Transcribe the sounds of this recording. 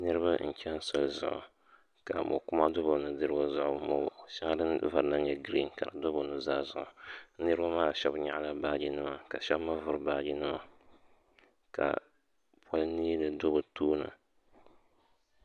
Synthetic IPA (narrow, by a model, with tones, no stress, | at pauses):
nɨ˦ɾɨ˦ba˦n̩˨t͡ʃɛ˦n˦sɨ˨lzʊ̰˨ʔʊ̰˨ | ka˨mo̰˨kʊ˦ma˦do˦bo˨nɨ˨dɨ˦ɾɨ˦ɡo˦zʊ˦ʔʊ˨mo˨ʃa˦a˦dɨ˦nva˨ɾɨ˨na˦ɲɛ˦ɡɾi˦n˨ka˨ɾɨ˨do˦bo˨nɨ˨zaː˦zʊ˨ʔʊ˨nɨ˦ɾɨ˦ba˦maː˦˨ʃɛ˦bɲa̰˨ʔla˨baː˦d͡ʒi˦nɨ˦ma˦ka˨ʃɛ˦bma˦vʊ˨ɾbaː˦d͡ʒi˦nɨ˦ma˦ | ka̰˨ | pʰa˦lniː˦lɨ˨do˦bʊ˨tuː˦nɨ̰˨